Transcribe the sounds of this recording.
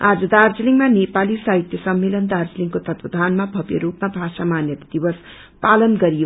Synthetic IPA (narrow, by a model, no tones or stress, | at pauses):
ad͡zʌd̪ard͡ziliŋmanepalisaɦit̪jʌsʌmːelʌnd̪ard͡zliŋkot̪ʌt̪wʌd̪ʱanmabʱʌbjḛɾupmabʱasamanjʌt̪d̪ibʌs | palʌnɡʌɾijo